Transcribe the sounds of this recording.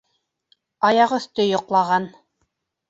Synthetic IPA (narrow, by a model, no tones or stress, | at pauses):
ɑjɑqɵ̆θt̪ɵjŏqlˠɑʁɑn